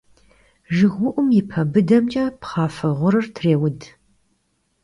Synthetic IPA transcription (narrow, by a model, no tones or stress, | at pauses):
ʒɨɣʷʊʔʷʊmjɪpʰɐbɨdɐmt͡ʃʼɐpχɑːfɐʁʷʊɾɨrtʰreːwʊd